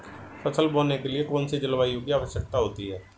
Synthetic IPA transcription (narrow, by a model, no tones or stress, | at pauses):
fʰəsəlboːnekelɪekɔːnsed͡ʒəlʋaːiũkiaːʋəʃjək̚t̪aɦoːt̪iɦɛː